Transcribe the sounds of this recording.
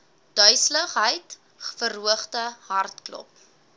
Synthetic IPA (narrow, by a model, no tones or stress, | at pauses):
d̥œɥsləχɦəjt | χfəruəχtəɦɐrtklɔ̰p̚